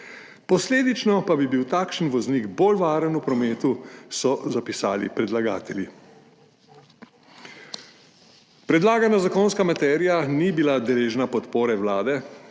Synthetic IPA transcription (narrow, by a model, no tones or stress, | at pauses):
pɔsleːd̪it͡ʃnɔpabibiwt̪aːkʃənʋɔzniɡboːlʋaːɾənupɾɔmeːt̪usɔzapisa̰ːlḭpɾɛd̪laɡaːt̪ɛlji | pɾɛd̪laːɡanazakonskamat̪ɛːɾijanibilad̪ɛleːʒnapɔt̪poːɾɛwlaːd̪ɛ